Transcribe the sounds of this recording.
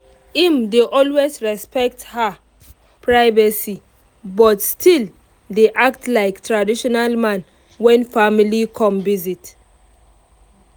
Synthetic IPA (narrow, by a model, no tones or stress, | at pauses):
imdeʔɔlwezɹɛspɛk̚tha | pʰɹaɪvasi | bɔtstʰil | deʔak̚tlaɪktʰɹadiʃɔnalmãn | wɛ̃nfamilikʰɔ̃mvizit